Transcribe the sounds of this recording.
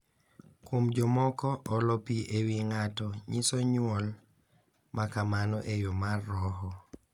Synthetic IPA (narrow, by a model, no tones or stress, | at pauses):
kwomd͡ʒɔmɔkɔʔɔlɔpiʔewiŋatɔɲisɔɲwɔl | makamanɔʔejomarːɔɦɔ